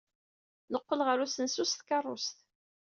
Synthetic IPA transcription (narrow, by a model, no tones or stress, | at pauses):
nəqːəlʁəɾusənsust̪kɑrˤːʊ̰st̪